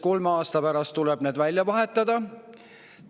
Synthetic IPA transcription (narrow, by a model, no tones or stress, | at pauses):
ko̞lmeɑːst̪ɑpæɾɑst̪ːulɛb̥ne̞ːd̪̥vælʲjɑvɑɦe̞t̪ˑːɑd̪̥ɑ